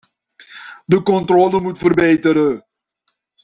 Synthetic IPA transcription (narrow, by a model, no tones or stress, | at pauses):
dəkɔntroːləmutfərbejtəɾə